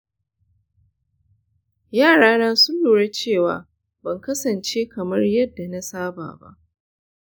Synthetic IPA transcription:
jaː˦˨ɽaː˦naː˦sʊ˦lːuː˨ɽe˦t͡ʃeː˦˨wa̰ː˨˦ | bɐ˨ŋkɐ˦sɐ˨nt͡ʃe˦kɐ˨mɐ˦rjɐ˦dːa˨na˦saː˦ba̰ː˨ba̰˦ʔ

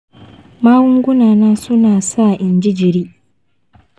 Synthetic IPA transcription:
maː˦wʊ˦ŋɡʷʊ˦naː˨naː˦sʊ˦naː˨sa˦˨ʔɪ˨nd͡ʒɪ˦d͡ʒɪ˨ɾiː˦

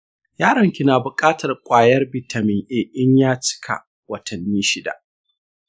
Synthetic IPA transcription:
jaː˦ɽɐ˨ŋkʲɪ˦˨naː˨bʊ˨kʼaː˦tʰɐ˨rkʷʼaː˨jɐ˦rbɪ˨tʰa˨mɪ˨ŋʔeː˨ʔɪ˦ɲjaː˦t͡ʃɪ̥˦kʰa̰˨ | wɐ˦tʰɐ˨nːiː˦ʃɪ˦da̰˨ʔ

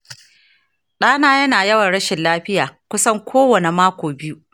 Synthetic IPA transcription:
ɗaː˦naː˦jɐ˦naː˨jɐ˦wɐ˨nɽɐ˦ʃɪ˨nlaː˦ɸɪ˦jaː˨kʷʊ˦sɐ˦ŋkʷʰoː˦wɐ˨ne˨maː˦kʷoː˨bɪ˦ju˦

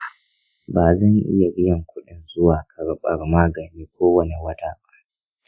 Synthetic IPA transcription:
baː˨zɐ˦˨ŋʔɪ̰˦ja˨ɾɪ˦jɐ˨ŋkʷʊ˦ɗɪ˨nzʊ˦waː˨kʰa˨ɾɓɐ˨ɽmaː˦ɡɐ˨nːiː˦kʷʰoː˦wɐ˦ni˨wɐ˦taː˨ba˦ʔ

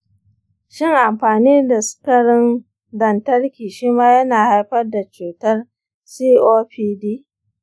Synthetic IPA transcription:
ʃɪ˦ŋʔa˨mɸaː˨niː˦da˨sʊ̥˦kɐ˨ɽɪ˦n | dɐ˨ntɐ˦ɽkʲiː˨ʃiː˦maː˦jɐ˦naː˨ha˦jɸɐ˦rda˨t͡ʃuː˨tɐ˦r | siː˦ʔoː˦ɸiː˦diː˦

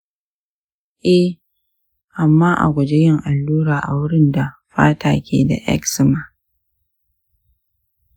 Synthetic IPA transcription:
ʔɛ˦ | ʔa˨mːaː˦ʔa̰˨ɡʷɐ˨d͡ʒe˦jɪ˦ŋʔa˨lːuː˦ɽaː˨ʔa˨wʊ˦ɽɪ˦nda˨ɸa̰ː˦taː˨kʲḛː˨da̰˨ʔɛ̰˦ksɪ˨ma˨

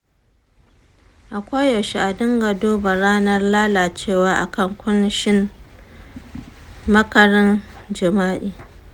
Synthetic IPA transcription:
ʔa˨kʷa˦jjɐ˨ʃi˦ʔa˨dɪ˦ŋɡɐ˨doː˦ba˨ɾaː˦nɐ˦rlaː˦laː˨t͡ʃeː˦˨waː˨ʔa̰˨kɐ˦˨ŋkʷʊ˦n˦ʃɪ˦n | mɐ˦kɐ˨ɾɐ˦nd͡ʒɪ˨maː˦ʔiː˨

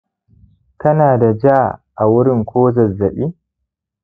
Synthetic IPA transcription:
kɐ˦naː˨da˨d͡ʒaː˦˨ʔa˨wʊ˦ɾɪ˦ŋkʷoː˦zɐ˨zːɐ˨ɓi˦

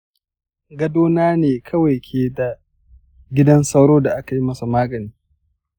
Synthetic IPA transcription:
ɡɐ˦doː˦naː˦neː˨kʰɐ˦wa˨kʲʰeː˨da˨ | ɡʲɪ˦dɐ˦nsɐ˦wɽoː˦da˨ʔa˦ka˨ji˦mɐ˦su˨maː˦ɡɐ˨niː˦

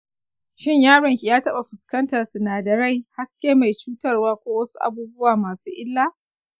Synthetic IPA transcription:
ʃɪ˦ɲjaː˦ɽɐ˨ŋkʲi˨jaː˦tɐ˦ɓa˨ɸɪ˨skɐ˦ntɐ˨rsʊ˨naː˨dɐ˨ɾa˦˨jha˦skʲeː˦ma˨jt͡ʃuː˦tɐ˦rwaː˦kʷoː˦wɐ˦su̥˦ʔa̰˦buː˦bʊ˦waː˨maː˨suː˦ʔɪ˦lːaː˦

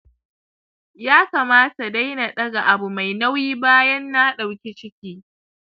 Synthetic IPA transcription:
jaː˦kaː˨maː˦ta˨da˦jna˨ɗɐ˦ɡa˨ʔa˨bu˨ma˨jna˦wjiː˦baː˦jɐ˦nːa˦ɗa˨wkʲi˦t͡ʃɪ˦kʲiː˦

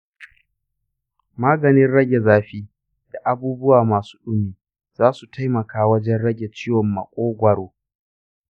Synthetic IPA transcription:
maː˦ɡɐ˨nɪ˦nɽɐ˦ɡʲe˨zaː˦ɸiː˦ | d̥a˨ʔa˨buː˦bʊ˦waː˨maː˨su̥ː˦ɗʊ˦miː˨ | zaː˦su˨tʰa˦jmɐ˨kʰaː˦wɐ˦d͡ʒɛ˦nɽɐ˦ɡʲe˨t͡ʃiː˦wɔ˨mːɐ̰˨kʷʼoː˦ɡʷɐ˨ɽoː˨

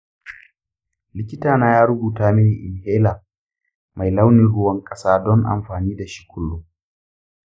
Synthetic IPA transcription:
lɪ˦kʲɪ˦taː˨naː˦jaː˦ɾʊ˦buː˨taː˦mɪ˦niː˨ʔɪ˨nheː˦laː˨ | ma˨jla˦wniː˨ɽʊ˦wɐ˦ŋkʼɐ˦saː˦dɔ˦ŋʔa̰˨mɸaː˨niː˦da˨ʃi̥˦kʷʰʊ˦lːʊ˦

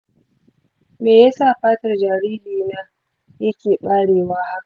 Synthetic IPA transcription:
meː˨ja˦saː˦˨ɸaː˦tɐ˨rd͡ʒaː˨ɾiː˦liː˨naː˦ | jɐ˦kʲeː˨ɓaː˦ɽeː˨waː˦ha˦ka˨

